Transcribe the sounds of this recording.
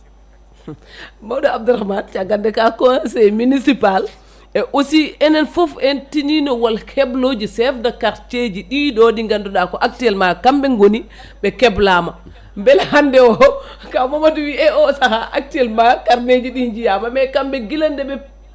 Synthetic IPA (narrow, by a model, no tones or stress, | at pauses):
mawdaab̚duɾahmant͡ʃaɡandɛkakɔnasɛminisipal | ɛʔosiɛnɛnfofɛntininɔwalkʰɛblod͡ʒisɛfdakaɾt͡ʃed͡ʒiɗiɗɔɗiŋɡanduɗakɔʔak̚tiɛlmakambɛŋɡoni | bɛkɛblama | mbɛlhandɛwɔkamɔmatuwiɛɔsahaʔak̚tiɛlmakaɾned͡ʒiɗiɲd͡ʒijamamɛkambɛɡilandɛɓɛ